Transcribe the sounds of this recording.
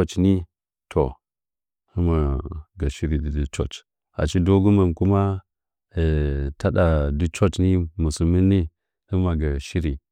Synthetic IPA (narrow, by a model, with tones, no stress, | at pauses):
o˦t͡ʃni˦ | tʰo˨ | hə˦ma˨ɡa˨ʃi˦ɾi˨di˨di˦t͡ʃo̰˦t͡ʃ | a̰˨t͡ʃi˦do˦ɡu˦ma˨mku˦ma˦˨ | ta˦ɗa˨di˦t͡ʃo˦t͡ʃni˦mu˨su˨mi˦nːi˦ | hə˦ma˨ɡa˨ʃi˦ɾi˨